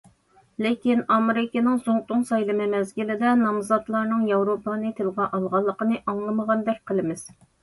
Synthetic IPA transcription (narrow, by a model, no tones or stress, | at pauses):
lɪkʲinɑmɾɪkʲinɪŋsoŋt̪ʊŋsɑjlˠɨmɨmɛzɡʲilɪd̪ɛnɑmzɑt̪lˠɑɾnɨŋjɑwɾopʰɑnɨt̪ʰɨlˠʁɑʔɑlˠʁɑlˠːəqənɨʔɑŋlˠəməʁɑnd̪ɛk̚ʲqʰəlˠɨmɪz̥